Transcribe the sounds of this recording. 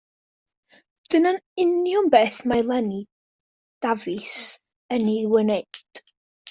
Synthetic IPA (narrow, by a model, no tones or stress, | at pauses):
d̥ənanɪnjʊmbeːθmalˠɛni | d̥avɨs | əniwənejd̥